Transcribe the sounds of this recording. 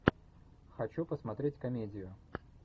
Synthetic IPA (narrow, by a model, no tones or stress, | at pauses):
xɐt͡ɕupəsmɐt̪ɾʲetʲkɐmʲedʲɪjʊ